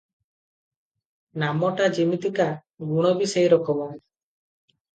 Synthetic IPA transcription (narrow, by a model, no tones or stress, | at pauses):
namɔʈad͡ʒimit̪ika | ɡuɽ̃ɔbisejɾɔkɔmɔn